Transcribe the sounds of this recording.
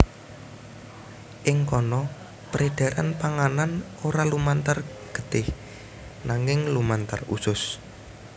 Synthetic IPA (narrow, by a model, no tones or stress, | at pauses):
ʔɪŋkɔnɔ | pəɾeɖ̥a̤ɾa̰npaŋanan | oɾalumant̪arɡ̥ə̤̥t̪ɪh | naŋɪŋlumant̪a̰rṵsʊs